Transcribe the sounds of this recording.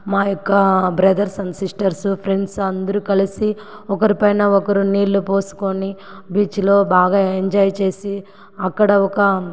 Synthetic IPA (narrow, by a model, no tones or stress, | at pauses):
maːjɔkːɐbɾɐd̪ɐɾsɐnsisʈɐɾsupʰɾe̞ɳɖsɐnd̪ɐɾukɐlisi | ɔkɐɾipɐjnɐːɔkɐɾuniːɾlupoːsu̥ko̞ni | biːt͡ʃlo̞ːbaːɡaːeɲd͡ʒɐːjt͡ʃe̞ːsi | ɐkːɐɽɐɔkɐ